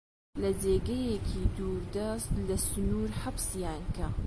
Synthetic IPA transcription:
lɐd͡zeːɡɐjekʰiːd̪uːɾd̪ɐst̪lɐsʊnuːɾħabsjaːnkɐ

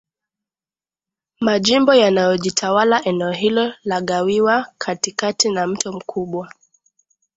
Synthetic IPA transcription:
maʄimbɔjanajɔʄitʰawalaʔɛnɛɔɦilɔlaɠawiwakʰatikatinam̩tɔm̩kʰuɓwa

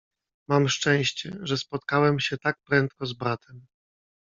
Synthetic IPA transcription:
mamʂt͡ʂɛ̃w̃ɕt͡ɕɛ̰ʐɛspɔt̪̚kawɛmɕɛt̪ak̚pɾɛnt̪̚kɔzbɾat̪ʰɛm

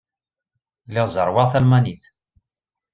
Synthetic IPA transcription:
lːɪʁzˤəɾˤwɑʁθælmæniθ

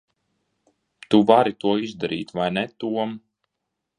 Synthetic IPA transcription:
t̪uvaɾit̪uɔizd̪aɾḭːt̪vajnɛt̪uɔm

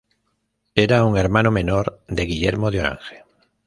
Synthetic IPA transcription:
eɾauŋeɾmãnomẽnoɾd̪eɣiʎeɾmoðjoɾa̰ŋxe̥

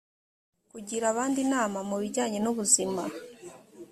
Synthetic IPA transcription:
kuɟiɾaβaːndinaːmamuβiɟaːɲe̞nuβuzima

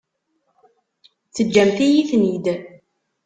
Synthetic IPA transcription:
t͡sːəd͡ʒːæmθijiθnid̪

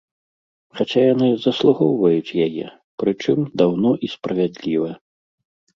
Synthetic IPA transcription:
xat͡ɕʲajanɨzɐslˠuɣɔwvɐjut͡sʲjajɛ̰ | pɾɨt͡ʂɨmd̪awnɔʔispɾɐvʲad̪lʲivɐ

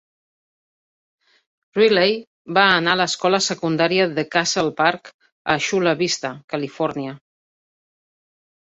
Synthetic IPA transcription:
rilej | baːnaləskɔləsəkund̪aɾiəðəkasəlˠpaɾk | əʃuləβist̪əkəlifɔɾniə

